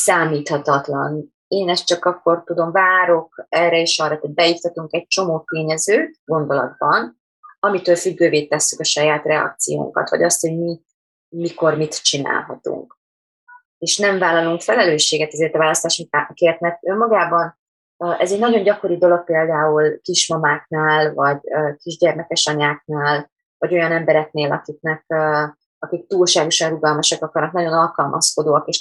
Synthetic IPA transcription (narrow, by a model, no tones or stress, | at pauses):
saːmiːt̪hɒt̪ɒt̪lɒ̰n | eːnɛst͡ʃɒkɒkːo̞rt̪ud̪o̞mvaːɾo̞k̚ɛrɛeːʃɒrːɒtoɟ̚bɛjift̪ɒt̪uŋkɛc̚t͡ʃo̞moːt̪eːɲɛzøːt̪ɡo̞nd̪o̞lɒ̰d̪̚bɒn | ɒmit̪øːlfyɡːøːveːt̪ɛsːykɒʃɒjaːt̪rɛɒ̰k̚t̪sijo̰ːŋkɒ̰t̪ʋɒ̰ɟɒst̪ho̞ɟmit̪ | miko̞rmit̪t͡ʃina̰ːlɦɒ̰t̪ṵŋk | eːʃnɛɱvaːlɒluŋkfɛlɛløːʃːeːɡɛt̪ɛzeːrt̪ɒvaːlɒst̪aːʃiakeːrt̪mɛrt̪ømːɒɡaːbɒn | øʔɛzɛɟnɒɟo̞ɲɟɒko̞ɾid̪o̞lo̞k̚peːld̪aːulkiʃmɒmaːknaːlvɒɟøːkiʒɟɛrmɛkɛʃɒɲaːk̚naːl | vɒɟo̞jɒnɛmbɛɾɛkneːlɒkik̚nɛk̚ø | ɒkik̚t̪uːlʃaːɡo̞ʃɒnruɡɒlmɒʃɒkɒkɒrnɒknɒɟo̞nɒlkɒlmʔɒ̰skod̪oːɒkeːʃ